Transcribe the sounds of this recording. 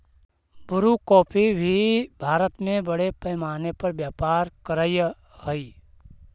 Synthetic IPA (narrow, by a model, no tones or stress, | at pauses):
bʊɾukɔːpʰibʱibʱaːɾət̪mẽbəɽepɛːmaːnepəɾbjaːpaːɾkəɾəj | həi